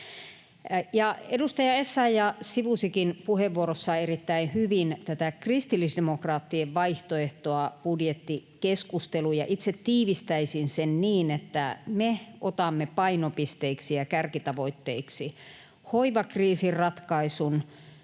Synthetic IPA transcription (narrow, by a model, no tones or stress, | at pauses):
jɑedust̪ɑjɑesːɑjɑsiʋusikinpuheʋːuoɾosːɑerit̪ːæinhyʋint̪æt̪ækrist̪ilːisdemokrɑːt̪ːieʋʋɑiht̪oeht̪oɑpudjet̪ːikeskust̪elujɑʔit̪set̪tiːʋist̪æisinsenniːnet̪ːæmeʔot̪ɑmːepɑinopist̪eiksiɑkærkit̪ɑʋoit̪ːeiksi | hoiʋɑkriːsirrɑt̪kɑisun